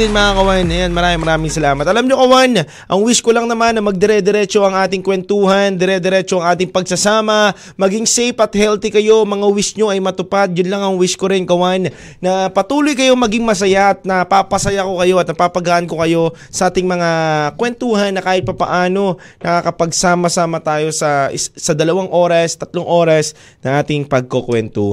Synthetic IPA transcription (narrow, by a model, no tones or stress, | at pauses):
ɪnmɐŋakɐwanɐjanmɐɾaːmɪŋmɐɾaːmɪŋsɐlaːmɐt̪̚ɐlamɲokɐwan | ʔɐŋwiskolɐŋnɐmanːɐmɐɡ̚d̪ɛɾɛd̪ɛɾɛt͡ʃo̞ʔɐŋʔaːt̪ɪŋkwɛnt̪uːhɐnd̪ɛɾɛd̪ɛɾɛt͡ʃo̞ɐŋʔaːt̪ɪŋpɐɡsɐsaːmɐ | mɐɡiŋsejpʔɐt̪̚hɛlt̪ɪkɐjo̞mɐŋawisɲo̞ʔɐjmɐt̪ʊpad̪̚jʊnlaŋɐŋwiskoɾɪnkɐwanː | ɐpɐt̪uːlʊjkɐjo̞mɐɡɪŋmɐs̬ɐjaʔɐt̪̚nɐpapɐsɐjako̞kɐjo̞ɐt̪nɐpapɐɡaʔɐnko̞kɐjo̞ | sɐʔaːt̪ɪŋmɐŋakwɛnt̪uːɦɐnːɐkaːhɪt̪̚pɐpɐ̰ʔaːno̞nɐkakɐpɐɡsaːmɐsaːmɐt̪aːjo̞sɐɪsɐd̪ɐlɐwaŋʔo̞ːɾɐst̪ɐt̪loŋʔo̞ːɾɐs | nɐŋʔaːt̪ɪŋpɐɡ̚kokwɛnt̪ṵːh